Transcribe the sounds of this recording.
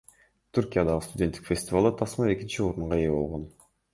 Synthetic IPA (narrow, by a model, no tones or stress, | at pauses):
t̪ʰuɾkʲijad̪ɑʁɯst̪ʊdʲent̪ːikfʲe̞sʲt̪ʲɪvalˠd̪ɑt̪ʰɑsmɑe̞kʲint͡ʃioɾuɴʁɑebo̞lˠʁo̞n